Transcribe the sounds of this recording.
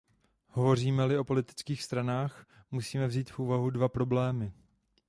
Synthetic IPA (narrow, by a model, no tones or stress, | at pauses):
ho̞vo̞r̝iːmɛlɪʔo̞po̞lɪt̪ɪ̥t͡skiːxst̪ɾanaːxmusiːmɛvziːt̪fʔuːvaɦudvapɾo̞blɛːmɪ